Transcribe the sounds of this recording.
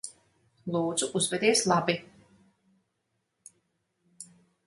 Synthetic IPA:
lˠuːd̪zuʔuzvɛd̪iɛslˠabi

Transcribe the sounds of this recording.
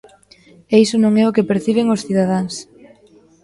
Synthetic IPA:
ejsonõŋɛʊkepeɾθiβ̞eŋosθiðað̞aŋs

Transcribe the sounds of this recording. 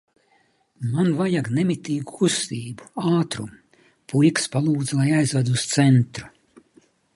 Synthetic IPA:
manvajaɡnɛmit̪iːɡukʰust̪iːbuaːt̪ɾum | pʰulkspalˠuːd̪zlˠajajzvad̪ust̪sɛnt̪ɾu̥

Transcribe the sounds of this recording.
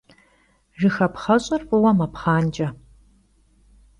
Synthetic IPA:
ʒɨxɐpχɐɕʼɐrpʼɨwɐmɐpχaːnt͡ʃʼɐ

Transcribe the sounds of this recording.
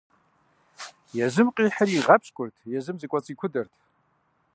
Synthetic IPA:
jazɨmqʼiħaɾiʁapʰɕkʷʼʊrtʰʼjazɨmzikʷʼat͡sʼikʷʰʊdɨrtʰʼ

